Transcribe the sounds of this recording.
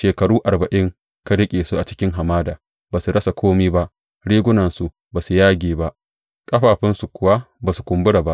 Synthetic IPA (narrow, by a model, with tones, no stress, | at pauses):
ʃeː˨kɐ˨ɽuː˦ʔa˨ɾbɐ˨ʔɪ˦ŋ | ka˦ɽɪ˦kʲʼeː˨su˦ʔa˨t͡ʃɪ̥˦kʲɪ˦ŋɦa˨maː˦daː˨ | baː˨su˨ɽɐ˦sa˨kʷʰoː˦miː˦ba˦ʔ | ɽiː˦ɡʷʊ˦nɐ˨nsu˨ʔ | baː˨su˨jaː˦ɡʲeː˨ba˦ʔ | kʼɐ˦ɸaː˨ɸɪ˦nsu˨kʷʊ˨wa˦ | baː˨su˨kʷʊ˨mbʊ˦ɽa˨ba˦ʔ